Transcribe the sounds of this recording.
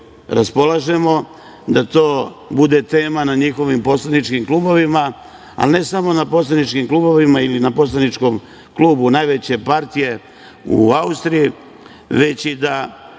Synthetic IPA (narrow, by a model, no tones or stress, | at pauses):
ɾaspo̞lˠaʒe̞mo̞ | d̪at̪o̞ːbud̪e̞t̪e̞ːmanaɲixo̞ʋimpo̞slanit͡ʃkimklˠuːbo̞ʋima | a̰lne̞samo̞napo̞slˠanit͡ʃkimkluːbo̞ʋimailinapo̞slˠanit͡ʃko̞m | kluːbunajʋe̞t͡ɕe̞paɾt̪ije̞ | ṵaust̪ɾiji | ʋe̞t͡ɕid̪a